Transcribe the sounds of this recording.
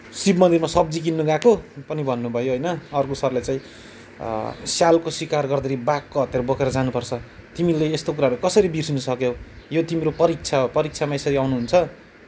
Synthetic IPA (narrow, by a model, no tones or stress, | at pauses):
sibmʌnd̪irmasʌbd͡zik̬inːuɡãkopʌnibʱʌnːubʱʌjoɦʌjnʌʌrkosʌrlat͡saĩ | sjalkoswikarɡʌrd̪ʌɾibakːoɦʌt̪jeɾʌbʌkeɾʌd͡zanupʌrt͡sʰʌt̪imileest̪ok̬uɾaɦɾukʌsʌɾibirsinʌsʌkjojot̪imiɾopʌɾik̚t͡sʰaopʌɾik̚t͡sʰamaesʌɾiawnuɦunt͡sʰʌ